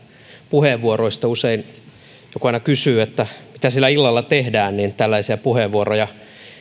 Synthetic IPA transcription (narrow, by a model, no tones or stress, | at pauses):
puheːʋʋuoroist̪ɑusein | jokuɑinɑkysyːet̪ːæmit̪æsilːæilːɑlːɑt̪ehdæːnniːnt̪ælːæisiæpuheːʋuorojɑ